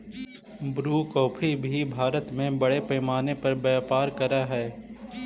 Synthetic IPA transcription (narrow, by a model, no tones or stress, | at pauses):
bɾuːkɔːpʰibʱibʱaːɾət̪mẽbɐɽepɛːmaːnepɐɾbɛːpaːɾkɐɾaɦɛː